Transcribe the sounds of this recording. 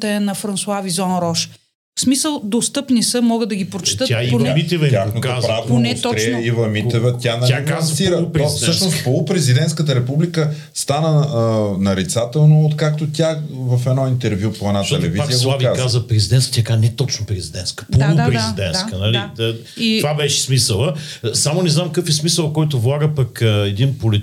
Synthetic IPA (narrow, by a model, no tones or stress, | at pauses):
t̪ɛnɐfɾɐnsuavizɔnɾɔʃ | smisəlˠd̪ost̪ɤpnisəmɔɡəd̪d̪ɐɡipɾot͡ʃɛ̥t̪ət̪aonɛmit̪ɛvjaxnot̪oapɾavnonɛɔɾiivɐmit̪ɛvət̪ʲanɐazsiɾəɔfsɤʃnost̪polˠʊpɾɛzid̪ɛnt̪skət̪əɾɛpublikə | st̪anənɐɾit̪sat̪ɛlˠnoot̪kakt̪ot̪ʲjavɐfɛd̪nɔint̪ɛɾvjupoɛd̪nat̪ɛlɛviaziəslˠaviak̪azəpɾɛzid̪ɛnt̪kt̪ʲjakanɛt̪ɔt͡ʃnopɾɛzid̪ɛnskə̥polˠʊppɾɛzid̪ɛnt̪kənɐliə | t̪ovabɛʃɛ̥smisəlˠə | samonɛznamkəfɛsmisəlˠkɔjt̪ovlˠaɡəpɐkɛd̪inpoli